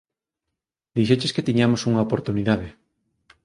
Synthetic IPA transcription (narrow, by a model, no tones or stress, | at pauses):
d̪iʃ̬et͡ʃesket̪iɲamosuŋɐopoɾt̪uniðaðe